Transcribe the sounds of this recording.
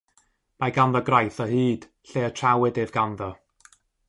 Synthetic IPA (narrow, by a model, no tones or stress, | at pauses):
maɡanðɔɡrajθəhiːd̥ | ɬeːətʰrawɨdevɡanðɔ